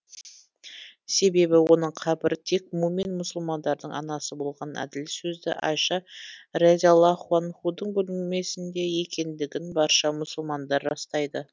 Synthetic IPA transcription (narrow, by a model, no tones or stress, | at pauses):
se̞be̞bɪwo̞nəɴqʰɑbɪɾt̪ʰe̞kmumenmʊsəlˠmɑnd̪ɑɾd̪əɴɑ̰nɑsəbo̞lˠʁɑnæ̰d̪ɪlsɵzd̪ɪ̰ʔɑ̰ʃɑrezʲalˠɑχwɑnχud̪əɴbɵlɪme̞sɪnd̪e̞je̞kʲe̞nd̪ɪɡʲɪnbɑɾʃɑmʊsəlˠmɑnd̪ɑɾːɑst̪ɑjd̪ə